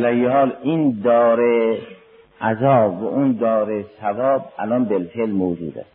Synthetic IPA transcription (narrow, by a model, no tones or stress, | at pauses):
læjːehɒːlʔiːnd̪ɒːɾe | ʔæzɒːbːæ̰ʔund̪ɒːɾesævɒːb̚ʔælɒnbelfelmoːd͡ʒṵːd̪æ̰st̪